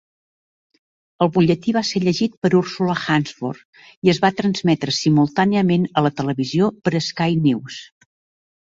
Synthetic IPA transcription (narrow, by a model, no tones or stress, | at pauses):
əlˠβuʎət̪iβaseʎəʒit̪̚pəɾursuləxanzfo̰r | iəzβat̪ɾənzmɛt̪ɾəsimulˠt̪aniəmenələt̪ələβiziopəɾəskajniws